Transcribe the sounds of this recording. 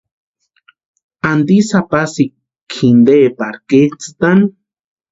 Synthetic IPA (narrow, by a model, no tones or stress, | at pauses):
and̪isapasi | kʰːind̪epaɾket͡sɨ̥t̪an